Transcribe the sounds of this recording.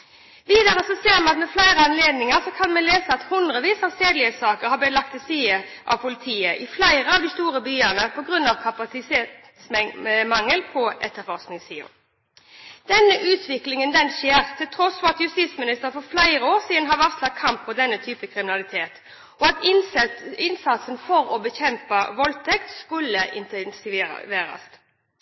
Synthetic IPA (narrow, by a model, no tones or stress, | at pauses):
ʋiːd̪æʁəsɔseːɾmɛnɑt̪mɛflæɪʁəɑnleːd̪nɪŋəʁsɔkʰɑnmɛnleːsəɑt̪hʊnd̪ʁəʋiːsɑʋseːd̪lɪəsɑːkəʁhɑbɛlɑkt̪ʰːɪsiːə | ʔɑ̰ʋpʰʊlɪt̪ʰiːəʔɪflæɪʁəɑʋd̪ɪst̪uːʁəbyːənəpʰɔɡʁʉnːɑʋkʰɑpɑsɪseː | smɑŋːəlpʰɔɛ̰t̪ːəɾfɔʁsknɪŋsiːʊ̰ | d̪̥ɛnəʔʉːt̪ʰʋɪklɪŋənd̪ɛnʃeːʁt̪ʰɪlt̪ʰɾɔsfɔʁɑt̪jʉst̪iːt̪smɪnɪst̪əʁəfɔflæɪɾəoːʁsiːd̪nɦɑʋɑʁslɑt̪̚kʰɑmpːɔd̪ɛnːət̪ʰyːpəkʰɾɪmɪnɑlɪt̪ʰeːt̪ | ɔɑt̪ | ɪnsɑt̪sənfɔɾɔbəçɛmpəʋɔlt̪ʰɛkt̪skʉlːəʔɪ̰nt̪ɛnsɪʋeːɾɑ̰st̪